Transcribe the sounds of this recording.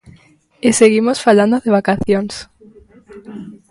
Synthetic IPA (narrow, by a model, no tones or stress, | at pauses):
eseɣimosfaland̪oðeβakaθjoŋs